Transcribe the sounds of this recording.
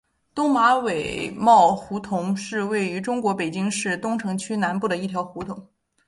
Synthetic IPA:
t̪ʊ˥ŋma˧˥we˨˩ɪmɑ˥˩ʊxu˧˥t̪ʰʊ˧˥ŋʂɻ̩˥˧we˥˩ɪy˧˥ʈ͡ʂʊ˥ŋkwɔ˧˥pe˨˩ɪt͡ɕi˥ŋʂɻ̩˥˩t̪ʊ˥ŋʈ͡ʂʰɤ˧˥ŋt͡ɕʰy˥na˧˥npu˥˩d̪ə˩i˥˩t̪ʰjɑ˧˥ʊxu˧˥t̪ʰʊ˧˥ŋ

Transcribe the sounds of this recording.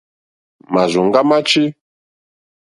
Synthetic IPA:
ma˨zu˨ŋɡa˦ma˦t͡ʃi˦

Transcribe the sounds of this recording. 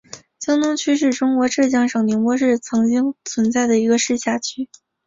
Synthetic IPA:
t͡ɕjɑ˥ŋt̪ʊ˥ŋt͡ɕʰy˥ʂ̬ɻ̩˥˩ʈ͡ʂʊ˥ŋkwɔ˧˥ʈ͡ʂɤ˥˩ɕ̬jɑ˥ŋʂɤ˨˩ŋni˧˥ŋpwɔ˥ʂɻ̩˥˩t͡sʰɤ˧˥ŋt͡ɕi˥ŋt͡sʰwə˧˥nt͡sa˥˩ɪd̪ə˩i˧˥ɡə˧ʂɻ̩˥˧ɕja˥˩t͡ɕʰy˥˩

